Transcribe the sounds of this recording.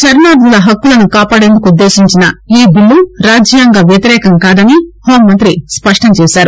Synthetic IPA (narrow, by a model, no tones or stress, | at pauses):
t͡ʃɐɾnaːd̪d̪ulɐɦɐkːulɐnukaːpaːɽe̞nd̪ukuud̪ːe̞ːsiɲt͡ʃinɐiːbiɭːuɾaːd͡ʒjaːŋɡaːʋjɐt̪iɾɛːkɐŋkaːd̪ɐniho̞ːmːɐnt̪ɾispɐʂʈɐmt͡ʃɛːʃaːɾu